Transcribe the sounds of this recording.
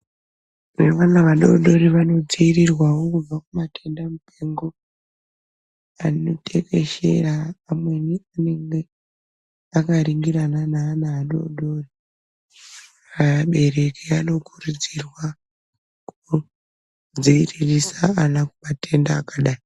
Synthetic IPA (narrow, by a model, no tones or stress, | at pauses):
neʋanaʋaɗo̰ɗo̞ɾiʋano̞d͡ziirirwawo̞kub͡vakumatʰe̞ndamute̞ŋɡo̞ | anotʰeke̞ʃe̞̰raːmwe̞niane̞ŋɡe̞ | akaɾiŋɡiɾananaːnaːɗo̰ɗo̞ri | aɓe̞re̞kiano̞kurud͡zirwa | ku | d͡ziiririsaanakumatʰe̞ndaːkaɗaːjo